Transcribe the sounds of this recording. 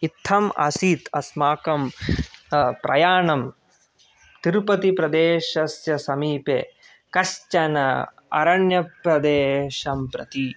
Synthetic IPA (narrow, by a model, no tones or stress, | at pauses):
it̪ʰːɐmʔɐ̰siːt̪ʰɐsmaːkɐm | pɾɐ̰jaːɳɐm | t̪iɾpɐt̪ipɾɐd̪eːʃɐsjɐsɐmiːpḛː | kɐst͡ʃɐnɐ̰ | ɐ̰ɾɐɳjɐpɾɐd̪eːʃɐmpɾɐt̪i